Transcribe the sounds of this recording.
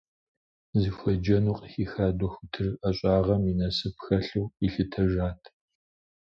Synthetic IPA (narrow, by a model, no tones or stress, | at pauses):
ziːfʷɐd͡ʒɐnuːqʼxiːxaːdʷɔxʷʊtʰɨrɐɕʼaːʁɐminɐsɨpxɐɬuwiɬɨtʰɐʒaːtʰ